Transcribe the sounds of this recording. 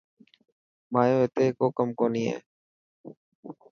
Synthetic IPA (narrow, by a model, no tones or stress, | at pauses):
maːjoːet̪eːkoːkəmkoːnĩːḛː